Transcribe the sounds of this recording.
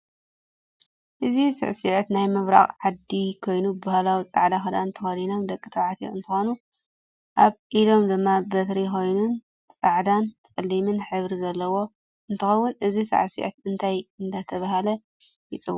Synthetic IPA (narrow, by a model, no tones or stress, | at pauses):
ʔɨzisɨ̰ʕsiʕt̪najmɨβɾa̰χʼʕad̪ikʰo̞jnubahalawit͡sʼaʕd̪axɐd̪ant̪ʰɨxɐlino̞md̪ɐkʼːɨt̪ʰɐʕat̪ʰjo̰ɨnt̪ʰɨxonu | ʔaβʔilo̞md̪ɨmːabɐt̪ɾiko̞jnun | t͡sʼaʕd̪anʼɨlːimɨnħɨβɾizɐlːɐwo̞ | ɨnt̪ʰɨxɐwːʊnʔɨzisɨ̰ʕsḭʕɨ̰t̪ɨnt̪ʰajɨnd̪at̪ʰɐβaɦalɐ | jɪt͡sʼɨw